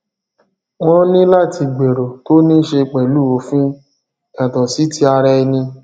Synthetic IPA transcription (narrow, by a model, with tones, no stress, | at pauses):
w̃ɔ̃˦nĩ˦la˦˨ti˧ɡ͡be˨ɾo˨to˦nĩ˦ʃe˧k͡pɛ˨lu˦˨o˨˦fĩ˦ | ɛ˨tɔ̃˨si˨˦ti˧˦a˧ɾɛ˧i˧nĩ˧